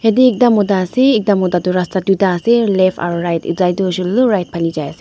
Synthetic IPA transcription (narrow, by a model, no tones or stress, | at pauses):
hediːk̚damɔdaseːk̚damɔdaduɾastɾadudaselepʰa̰ɾɾajtḭzajduzulːuɾajt̚pʰalid͡ʒajase